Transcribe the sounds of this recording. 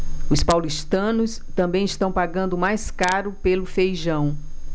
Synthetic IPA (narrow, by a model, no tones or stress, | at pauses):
ʊspawliʃt̪ɐ̃nʊs | t̪ɐ̃mbẽj̃ist̪ɐ̃w̃paɡɐ̃nd̪ʊmajskaɾʊpelʊfejʒɐ̃w̃